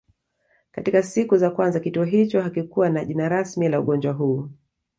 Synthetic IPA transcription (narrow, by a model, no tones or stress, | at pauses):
katikasikuzakwanzakituɔɦit͡ʃɔɦakikuwanaʄinaɾasmilauɠɔnd͡ʒwaɦuː